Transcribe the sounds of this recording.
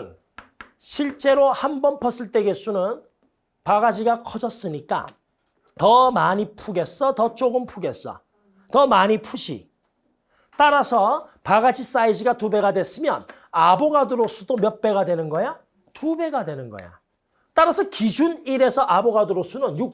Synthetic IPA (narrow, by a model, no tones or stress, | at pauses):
n | ɕʰiɭt͡ɕ͈e̞ɾohambʌnpʰʌs͈ʰɯɭt͈e̞ɡes͈ʰunɯn | paɡad͡ʑiɡakʰʌd͡ʑʌs͈ɯɲik͈a̰ | tʌmaɲipʰuɡe̞s͈ʌtʌt͡ɕ͈oɡɯmpʰuɡe̞s͈ʌ̰ | tʌmaɲipʰuɕʰḭ | t͈aɾasʰʌpaɡad͡ʑis͈aid͡ʑiɡatube̞ɡadwe̞s͈ɯmjʌn | aboɡadɯɾosʰudomjʌt̚p͈e̞ɡadwenɯnɡʌja | tube̞ɡadwe̞nɯnɡʌ̰ja̰ | t͈aɾasʰʌkid͡ʑʰuniɾe̞sʰʌʔaboɡaduɾosʰunɯnju